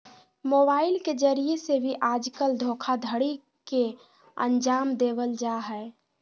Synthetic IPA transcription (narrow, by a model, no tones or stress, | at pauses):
mobaɪilked͡ʒəɾiesebʱiʔad͡ʒkəld̪ʱokʰad̪ʱəɽi | ke | ə̰nd͡ʒaːmd̪ebəld͡ʒaɦɛe